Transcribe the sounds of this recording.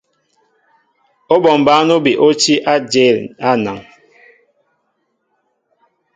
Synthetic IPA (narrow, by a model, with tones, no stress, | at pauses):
o˦bɔ˨m˨ba˦no˦bi˨ʔo˦t͡ʃi˦ʔa˦d͡ʒe˦˨la˦na˨ŋ